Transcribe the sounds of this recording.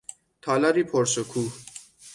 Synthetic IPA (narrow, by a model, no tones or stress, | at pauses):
t̪ʰɒːlæɾiːpʰoɾsokʰuːh